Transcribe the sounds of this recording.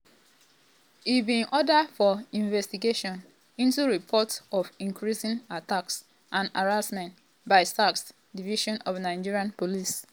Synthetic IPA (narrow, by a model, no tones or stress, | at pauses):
ibĩnʔɔdafɔĩɱvɛstiɡeʃɔ̃n | ĩntuɹipʰɔtɔfĩŋkɹisĩnataks | ʔãna̰ɹasmɛ̃nt | baɪstaks | diviʃɔ̃nɔvnãɪ̃d͡ʒiɹiãnpolis